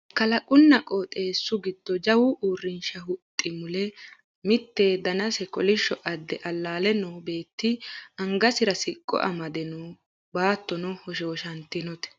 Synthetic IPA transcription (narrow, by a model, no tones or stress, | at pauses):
kɐlɐkʼʊnːɐkʼɔt̪ʼe̞ːsːʊɡɪd̪̥ːɔd͡ʒɐwuʔuːrːɪnʃɐhʊt̪ʼːɪmʊlɛ | mɪt̪ːeːd̪ɐnɐsɛkɔlɪʃːɔʔɐd̪ːɛʔɐlːaːlɛnɔːbe̞ːt̪ːɪɐŋɡɐsɪɾɐsɪkʼːɔ̰ʔɐ̰mɐd̪ɛnuː | baːt̪ːɔnɔhɔʃ̬oːʃɐnt̪ːɪnɔt̪ɛ̥